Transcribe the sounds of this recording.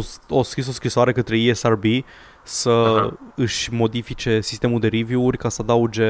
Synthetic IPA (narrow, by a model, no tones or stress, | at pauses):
oskɾisoskɾisoaɾe̞kət̪ɾe̞iesarbi | səɨʃʲmo̞d̪ifit͡ʃe̞si̥st̪e̞muld̪e̞ɾivjuurʲkasəad̪aud͡ʒe̞